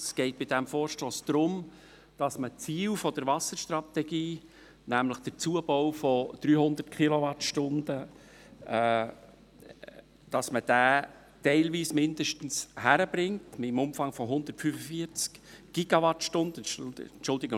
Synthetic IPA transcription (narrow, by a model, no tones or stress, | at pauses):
sɡ̥ɛɪt̚b̥ɪdɛmfoːɾʃtoːsd̥̪ɾʊm | d̥ɑsmət͡siːlfɔd̥əɾʋɑsəɾʃtrɑt̪ɛɡiː | næmləχd̥əɾt͡suəb̥ɔwfɔd̥ɾyːhʊnd̪ətkʰilɔʋɑtʃtʊndə | d̥ɑsməd̥æː | tɛɪlʋiːsmɪnd̪əʃtən̩shæɾəbɾɪŋtmɪmʊmfɑŋfɔɦʊnd̪ətfyːfəfiəɾt͡skɡ̥iɡɑʋɑtʃtʊnd̥ənt͡ʃʊldɪɡə